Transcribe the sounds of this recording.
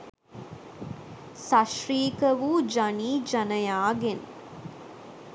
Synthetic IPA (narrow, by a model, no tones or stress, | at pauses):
sɐʃɾiːkəʋuːd͡ʒɐniːd͡ʒɐnɐjaːɡen